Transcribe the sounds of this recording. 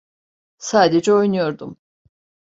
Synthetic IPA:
saːd̪ed͡ʒɛo̞jnujo̞ɾd̪um

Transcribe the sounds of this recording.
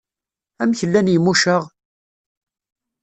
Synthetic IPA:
æmçəlːænjəmuʃəʁ

